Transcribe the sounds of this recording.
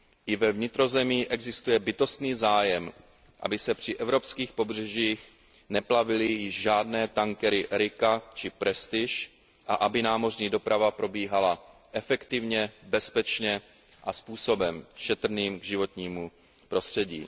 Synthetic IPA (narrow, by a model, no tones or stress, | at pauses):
ʔɪvɛvɲɪt̪ɾo̞zɛmɪːʔɛɡzɪst̪ujɛbɪt̪o̞st̪niːzaːjɛm | ʔa̰bɪsɛpr̝̥ɪʔɛvɾo̞pskiːxpo̞br̝ɛʒiːx | nɛplavɪlɪjɪʃʒaːdnɛːt̪aŋkɛɾɪʔɾɪkat͡ʃɪpɾɛst̪ɪʃ | ʔaʔabɪnaːmo̞rɲiːdo̞pɾavapɾo̞biːɦalaʔɛfɛkt̪ɪvɲɛbɛspɛt͡ʃɲɛ | ʔaspuːso̞bɛmʃɛt̪ɾ̩niːmɡʒɪvo̞t̪ɲiːmu | pɾo̞st̪r̥ɛɟḭː